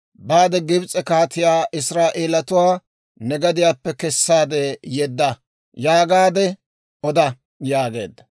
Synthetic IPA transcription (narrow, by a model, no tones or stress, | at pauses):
baːd̪ɛɡɪbt͡sʼɛkaːt̪ɪjaːʔɪsɾaːʔeːlɐt̪ʊwaː | nɛɡɐd̪ɪjaːpːɛkɛsːaːd̪ɛjɛd̪ːɐ | jaːɡaːd̪ɛ | ɔd̪ɐ | jaːɡe̞̰ːd̪ːɐ